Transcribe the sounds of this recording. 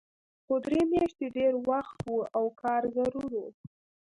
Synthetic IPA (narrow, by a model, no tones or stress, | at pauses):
xod̪ɾemjɑʃt̪eɖeɾwaxt̪wuawkʰɑɾzaɾuɾwu